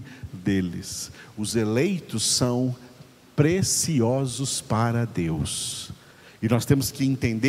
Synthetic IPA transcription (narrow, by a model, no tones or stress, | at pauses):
d̪elɪ̰sʊzelejt̪ʊsːɐ̃w̃ | pɾesiɔzʊspaɾɐd̪ews | ɪnɔst̪ẽmʊskɪẽt̪ẽnd̪e